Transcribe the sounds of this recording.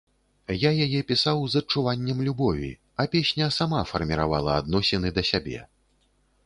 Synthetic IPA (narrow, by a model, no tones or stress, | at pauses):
jajajɛpʲisawzɐt͡ʂːuvanʲːɛmlʲubɔvʲḭ | ɐpʲesʲnʲɐsamafɐrmʲiɾavalˠɐad̪nɔsʲɛnɨd̪ɐsʲabʲɛ̰